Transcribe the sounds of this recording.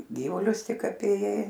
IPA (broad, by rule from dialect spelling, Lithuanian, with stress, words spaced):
ˈɡʲiːʋʊlʲʊs ˈtʲɪk ɐpʲeːˈjɛɪ